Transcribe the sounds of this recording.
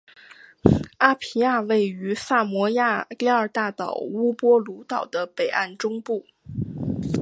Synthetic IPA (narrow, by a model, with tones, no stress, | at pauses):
a˥pʰi˧˥a˥˧we˥˩ɪy˧˥fa˥˩mwɔ˧˥ja˥˧li˥ə˞˥˨˩t̪a˥˩t̪ɑ˨˩ʊu˥pwɔ˥lu˧˥t̪ɑ˨˩ʊd̪ə˦pe˨˩ɪʔa̰˥˩nʈ͡ʂʊ˥ŋpu˥˩